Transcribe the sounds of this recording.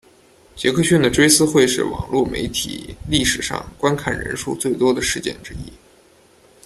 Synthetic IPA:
t͡ɕjɛ˧˥kʰɤ˥˧ɕy˥nd̪ə˨ʈ͡ʂwe˥ɪsɹ̩˥xwe˥˧ɪʂɻ̩˥˩wɑ̰˨˩ŋlwu˥˩mḛ˧˥ɪt̪ʰḭ˨˩li˥˩ʂɻ̩˨˩ʂɑ̰˥˧ŋkwa˥nkʰa˨˩nɻə̰˧˥nʂṵ˥˧t͡swe˥˩ɪt̪wɔ˥d̪ə˨ʂɻ̩˥˧t͡ɕjɛ̰˥˩nʈ͡ʂɻ̩˥ḭ˥

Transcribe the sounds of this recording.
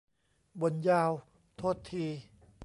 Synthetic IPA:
bo˧˦njaː˧w | t̪ʰoː˥˩t̪ʰːiː˧

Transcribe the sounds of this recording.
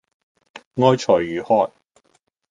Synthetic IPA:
ŋɔː˥jt͡ʃʰɔː˨˩jːyː˨˩hɔː˥j

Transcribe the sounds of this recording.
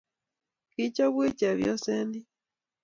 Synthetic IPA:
ki˦co˦βwi˦ce˨βjo̰˦se˦ndi˦

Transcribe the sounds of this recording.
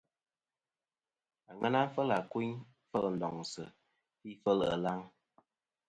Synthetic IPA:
a˨ŋa˦na˦fə˦la˨ku˦ɲ˦ | fə˦ln̩˨dɔ˨ŋsə̰˨ | pi˦fə˦lə̰˨la˦ŋ

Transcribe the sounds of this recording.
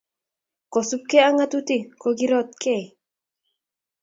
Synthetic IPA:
kɔ˨su˦kːe˦a˦ŋa˦t̪u˦t̪i˦ko˧ɡi˦ɾɔ˦t̪̚kʰe˦˨

